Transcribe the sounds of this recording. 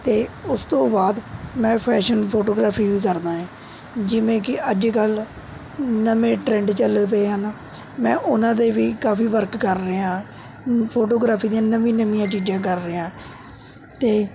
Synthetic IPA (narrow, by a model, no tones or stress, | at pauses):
t̪eːʊst̪õːbaːd̪mɛ̃ːpʰɛːʃənpʰoːʈoːɡɾaːpʰiːʋiːkəɾd̪aːɛ̃ː | d͡ʒɪʋẽːkɪəd͡ʒkəl | nəmẽːʈɾɛ̃ːɳɖt͡ʃəlepeːɦən | mɛ̃ːʔʊnãːd̪eːʋiːkaːfiːʋəɾkːəɾːəãː | pʰoːʈoːɡɾaːpʰiːd̪iãːnəmĩːnəmĩjãːt͡ʃiːd͡ʒãːk̬əɾːəːãː | t̪eː